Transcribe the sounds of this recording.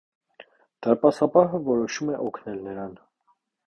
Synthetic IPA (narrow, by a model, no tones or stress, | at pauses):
d̪̥ɑɾpɑsɑpɑɦəvɔɾɔʃumɛʔɔkʰnɛlnəɾɑn